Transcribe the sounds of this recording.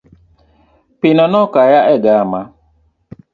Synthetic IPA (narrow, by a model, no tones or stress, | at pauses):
pinanɔkajaʔɛɡaama